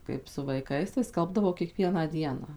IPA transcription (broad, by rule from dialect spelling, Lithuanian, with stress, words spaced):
ˌkɐɪp sʊ ʋɐɪˈkɐɪs tɐɪ ˈskɐlˠbdɐʋɐʊ kʲiɛˈkʋʲiɛnɑː ˈdʲiɛnɑː